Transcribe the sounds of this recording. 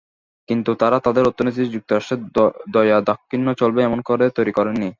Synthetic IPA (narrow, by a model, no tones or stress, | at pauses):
kint̪ut̪aɾat̪ad̪eɾot̪ːonit̪̬iɾd͡ʑuk̚t̪oɾaʃʈed̪ɔjad̪ɔkʰːinːot͡ɕolbeɛmonkoɾet̪ojɾikoɾenːi